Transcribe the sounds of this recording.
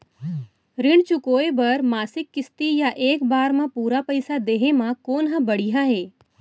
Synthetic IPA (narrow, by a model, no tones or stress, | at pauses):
ɾɪɳ̃t͡ʃʊkoːebəɾmaːsɪkːɪst̪ijaʔeːkbaːɾmãpuːɾapəjsad̪eːɦemãkoːnɦãbəɽiɦaɦeː